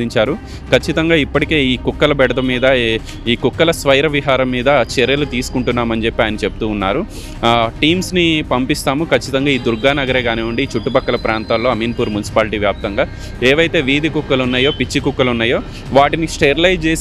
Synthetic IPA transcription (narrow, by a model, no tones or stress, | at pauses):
iɲt͡ʃaːɾu | kɐt͡ʃːit̪ɐŋɡaːipːɐʈike̞ːiːkukːɐlɐbɛɽɐd̪ɐmiːd̪ɐ | iːkukːɐlɐsʋɐjɾɐʋiɦaːɾɐmːiːd̪ɐt͡ʃeɾjɐlut̪iːsu̥kuɳʈunːaːmɐnd͡ʒe̞pːiaːjɐnɐt͡ʃe̞pu̥t̪uːnːaːɾu | ʈiːmsnipɐmpist̪aːmukɐt͡ʃːit̪ɐŋɡaːiːd̪uɾɡaːnɐɡɐɾeːɡaːneːuɳɖiːt͡ʃuʈːupɐkːɐlɐpɾaːnt̪aːlo̞ːɐminpuːɾmunisi̥paːliʈiːʋjaːp̚t̪ɐŋɡaː | eːʋɐjt̪e̞ːʋiːd̪ikukːɐlunːaːjo̞ːpit͡ʃːikukːɐlunːaːjo̞ː | ʋaːʈinisʈeːɾlɐjd͡ʒt͡ʃe̞ːs